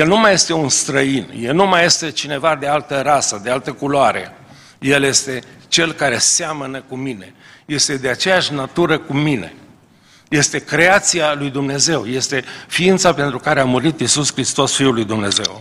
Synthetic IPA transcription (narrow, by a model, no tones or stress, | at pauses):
jelnumaje̞st̪e̞unst̪ɾəinjelnumaje̞st̪e̞t͡ʃine̞vad̪ealt̪əɾasəd̪ealt̪əkuloaɾe̞̰ | je̞lje̞st̪e̞t͡ʃe̞lkaɾe̞samənəkumine̞̰je̞st̪e̞d̪eat͡ʃe̞jaʃʲnat̪uɾəkumine̞̰ | je̞st̪e̞kɾeat̪sialujd̪umne̞ze̞wje̞st̪e̞fiint̪sape̞nt̪ɾukaɾeamuɾit̪isuskɾist̪o̞sfiulujd̪umne̞̰ze̞̰w